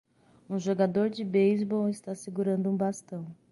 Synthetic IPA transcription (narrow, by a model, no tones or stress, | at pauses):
ũʒoɡad̪oɾd͡ʒɪbejzbɔwɪst̪aaseɡuɾɐ̃nd̪ʊũbast̪ɐ̃w̃